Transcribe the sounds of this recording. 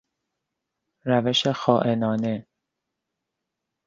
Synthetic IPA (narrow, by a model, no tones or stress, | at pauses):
ɾæveʃexɒːʔe̞nɒːne̞